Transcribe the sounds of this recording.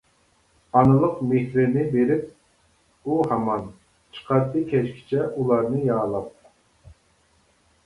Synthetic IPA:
ɑnɨlˠəqmehɾɪnɪbeɾɪp̚ | uhɑmɑn | t͡ʃʰə̥qʰɑɾt̪ɨkʲʰɛʃkʲʰi̥t͡ʃʰɛʔulˠɑɾnɨjɑːlˠɑp̚

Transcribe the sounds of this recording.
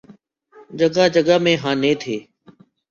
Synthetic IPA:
d͡ʒəɠaːd͡ʒəɠaːmẽːɦãːnẽːt̪ʰeː

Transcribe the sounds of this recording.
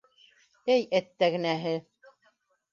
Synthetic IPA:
ɘjæt̪ːæɡɘ̆næɦɘ

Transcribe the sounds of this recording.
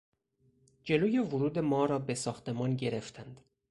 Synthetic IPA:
d͡ʒe̞loːjevuɾuːd̪e̞mɒːɾɒːbesɒːxt̪ʰe̞mɒːnɟe̞ɾe̞ft̪ʰænd̪̥

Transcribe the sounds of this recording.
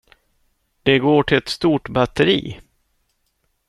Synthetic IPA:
d̪̥ɛɡoːʈʰɪlɛt̪st̪uːʈbat̪ːəɾḭː

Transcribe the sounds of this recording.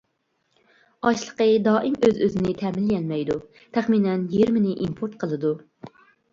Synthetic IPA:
ɑʃlˠəqəd̪ɑːʔimøzøzɪnɪt̪ʰɛmɪljɛlmɛjd̪u | t̪ʰæχminɛnjiɾmɪnɪʔimpʰoɾt̪̚qʰəlˠɨd̪u

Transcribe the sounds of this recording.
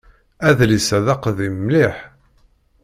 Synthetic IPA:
æðlisæðɑqðimliħ

